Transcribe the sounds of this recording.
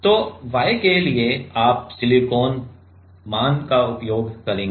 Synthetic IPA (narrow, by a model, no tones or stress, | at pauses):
t̪oːʋaːekelieaːp̚sɪlikoːn | maːnkaʊpjoːɡkɐɾẽːŋɡe